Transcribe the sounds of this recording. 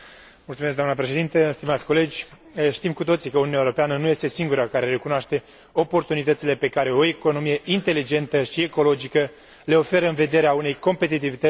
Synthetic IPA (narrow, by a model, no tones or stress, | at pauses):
mult̪umes̬kd̪amnəpɾeʃe̞d̪int̪əst̪imat̪sʲko̞le̞d͡ʒʲ | ʃt̪imkut̪o̞t̪sikəoununaewuɾo̞peanənuje̞st̪e̞siŋɡuɾakaɾe̞ɾe̞kunoaʃt̪e̞ | o̞po̞rt̪unit̪ət̪sile̞pe̞kaɾe̞o̞eko̞no̞mije̞ʔint̪e̞lid͡ʒe̞nt̪əʃie̞ko̞lo̞d͡ʒikə | le̞o̞fe̞ɾəɨnve̞d̪e̞ɾeaune̞jko̞mpe̞t̪̬it̪̬ivit̪ə